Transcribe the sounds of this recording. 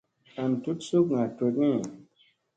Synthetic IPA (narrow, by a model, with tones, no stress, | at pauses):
a˨n˨tu˦tsu˦k̚ŋa˨te˨t̚ni˦˨